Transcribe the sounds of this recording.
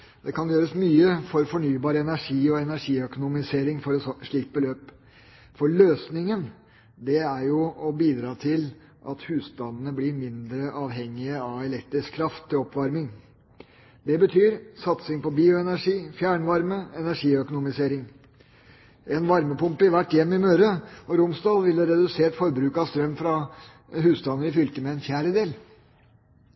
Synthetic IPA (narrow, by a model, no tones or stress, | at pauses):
d̪ɛkʰɑnjøːɾəsmyːəfɔɾfɔɳyːbɑːɾəɛnæʂiːɔɛnæʂiːœkʊnʊmɪseːɾɪŋfɔɾɔsʂɭiːk̚bəløːp | fɔɭøːsnɪŋən | d̪ɛæɾjʊɔbiːd̪ɾɑːt̪ʰɪl | ʔɑt̪hʉːst̪ɑnənəblɪɾmɪnd̪ɾəʔɑːʋɦɛŋːɪəɑɛlɛk̚t̪ɾɪskʰːɾɑft̪ʰːɪlɔpʋɑɾmɪŋ | d̪ɛbət̪ʰyːɾsɑt̪sɪŋpɔbiːʊɛnæʂiːfjæːɳʋɑɾməɛnæʂiːœkʊnʊmɪseːɾɪŋ | ɛnʋɑɾməpʊmpɪʋæʈːjɛmːɪmøːɾəɔɾʊmsd̪ɑːlˠʋɪlːəɾɛd̪ʉseːʈfɔɾbɾʉːkɑʋst̪ɾœmːfɾɑ | ɦʉːst̪ɑnəɾɪfʏlt̪əmɛːnfjæːɾəd̪eːl